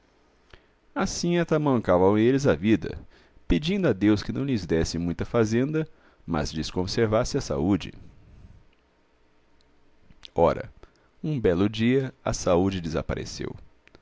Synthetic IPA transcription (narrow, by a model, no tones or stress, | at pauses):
asĩat̪amɐ̃ŋkavɐ̃elɪzavid̪ɐ̰ | ped͡ʒĩnd̪ʊad̪ewskɪnɐ̃w̃lɪzd̪ɛsɪmũj̃t̪ɐfazẽnd̪ɐ | mɐ̰zd͡ʒɪskõseɾvasɪɐsa̰ud͡ʒɪ̰ | ɔɾɐ̰ | ũbɛlʊd͡ʒiɐɐsaud͡ʒɪd̪ɪza̰pa̰ɾḛsḛw